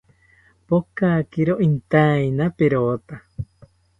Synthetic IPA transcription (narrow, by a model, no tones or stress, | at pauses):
pokakiɾoʔint̪ainapeɾot̪a